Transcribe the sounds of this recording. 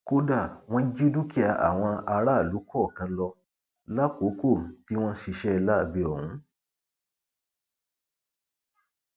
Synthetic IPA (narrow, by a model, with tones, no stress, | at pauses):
ko˦da˦˨w̃ɔ̃˧˦d͡ʒi˦du˦ki˦a˧˨ʔa̰˨w̃ɔ̃˧a˧ɾa˦˨lu˨˦kʰɔ˦˨kã˧˦lɔ˧ | la˦ko˨˦ko˦˨ti˦w̃ɔ̃˦ʃi˧ʃɛ˦˧la˦˨bi˧ɔ˨hũ˨˦